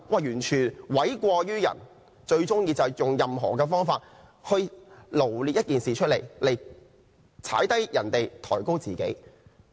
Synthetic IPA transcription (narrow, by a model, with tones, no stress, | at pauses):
waː˨˩jyː˨˩nt͡ʃʰyː˨˩nwɐ˨˥jkʷɔː˧jyː˥jɐ̰˨˩n | t͡ʃɵ˧ɥt͡sʊ˥ŋjiː˧t͡sɐ˨wjʊ˨ŋjɐ˨mɦɔ̰ː˨˩kɛː˧fɔː˥ŋfaː˧t̚ | hɵ˧ɥlo˨˩wli˧t̚jɐ˥t̚kiː˨nsiː˨t͡ʃʰɵ˥t̚le˨˩jle˨˩j | t͡sʰa̰ː˨˥jt̪ɐ˥jjɐ˨˩nt̪e˨jt̪ʰɔ̰ː˨˩jko˥wt͡siː˨kḛ˨˥j